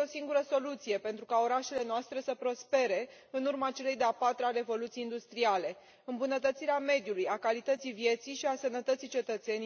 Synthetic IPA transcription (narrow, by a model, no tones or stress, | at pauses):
osiŋɡuɾəso̞lut̪sije̞pe̞nt̪ɾukao̞ɾaʃe̞le̞noast̪ɾe̞səpɾo̞spe̞ɾe̞ | ɨnurmaːt͡ʃe̞le̞jd̪eapat̪ɾaɾe̞vo̞lut̪sijind̪ust̪ɾiale̞ | ɨmbunət̪ət̪siɾeame̞d̪julujakalit̪ət̪sijvje̞t̪sijʃiasənət̪ət̪sit͡ʃe̞t̪ət̪se̞ni